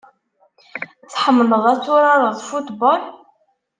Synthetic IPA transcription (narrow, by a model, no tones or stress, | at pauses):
θħəmːləðˤæt͡sːʊɾaɾˤɑðˤfut̪bɑl